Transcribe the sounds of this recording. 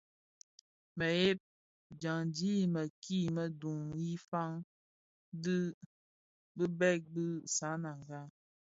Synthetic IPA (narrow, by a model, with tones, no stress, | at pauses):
mə˨je˦p̚ | d͡ʒa˨ŋd͡ʒi˦mə˨ki˦˨mə˨du˨ŋji˦fa˦ŋ | dɨ˦ | bɨ˦bɛ˦˨k̚bɨ˦sa˨˦na˨ŋ˨ɡa˦